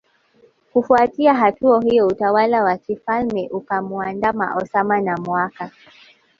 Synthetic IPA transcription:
kufuatiaɦatuaɦujɔutawalawakifalmɛʔukamuandama̰ʔɔsamanamwaka

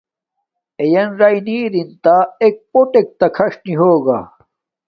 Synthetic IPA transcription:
ejɐnɾajniːɾint̪aek̚poʈek̚t̪ɐkʰɐʂniɦoːɡa̰

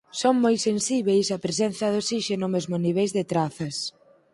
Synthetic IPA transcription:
soŋmojsensiβejsɐpɾesɛnθɐðosiʃenomezmoniβ̞ejzðet̪ɾaθɐs

